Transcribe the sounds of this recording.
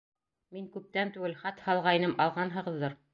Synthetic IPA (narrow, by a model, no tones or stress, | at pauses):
miŋkʉp̚t̪ænt̪ʉɡɘlχɑt̪hɑlˠʁɑjnɤmɑlˠʁɑnɦɤ̆ʁɤ̆ðːɤɾ